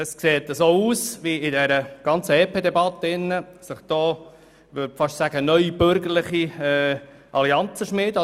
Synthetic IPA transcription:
əskseːt̪ːəsoːuːsʋiɪd̪ɛɾəɡ̥ɑnt͡səɛːpʰeːd̪ɛbɑt̪ːəɪnːəsəχd̥̪oː | ʋʏfɑʃsæɡ̥ənœʏib̥øɾɡəɾləχiɛː | ʔɑliɑnt͡səʃmɪːd̪

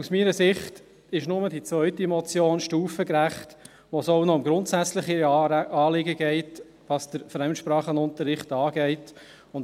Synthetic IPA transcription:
usmiːɾəsɪχt | ɪʃnʊmədit͡svœʏtimɔt͡sjoːnʃtuːfəkɾæχt | ʋosoʊnɔʊmɡɾʊntsæt͡sləχiɑːlɪɡəɡ̥ɛɪt | ʋɑsd̥̪əɾfɾɛmʃpɾɑːχənʊntəɾːɪχtɑːɡ̥ɛɪt | ʊn

